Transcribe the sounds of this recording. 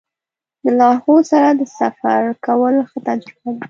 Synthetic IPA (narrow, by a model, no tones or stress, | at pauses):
d̪əlɑhosaɾad̪əsafaɾkawəlxət̪ad͡ʒkawi